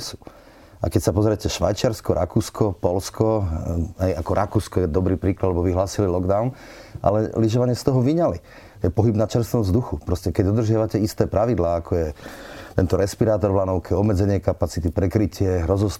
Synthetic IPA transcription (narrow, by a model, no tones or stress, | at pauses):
su | ʔa̰kɛcsapɔzɾɛcɛʃʋa̰jt͡ʃɪaɾskɔɾʔakuːskʰɔpɔlskʰɔ | ajakɔɾʔakuːskɔjɛd̪ɔbɾiːpɾiːklad̪lɛbɔʋiɦlaːsililɔɡd̪aʊnʔa̰lɛliʒɔʋaɲɪɛst̪ɔɦɔʋiɲali | jɛpɔɦibnat͡ʃɛɾst̪ɔmzd̪uxupɾɔscɛkɛɟd̪ɔd̪rʒɪaʋacɛist̪ɛːpɾaʋid̪laːakʰɔjɛt̪ɛnt̪ɔɾɛspiɾaːt̪ɔɾʋlanɔʊkʰɛɔbmɛd͡zɛɲɪɛkapat͡sit̪ipɾɛkɾicɪɛɦɾɔzɔs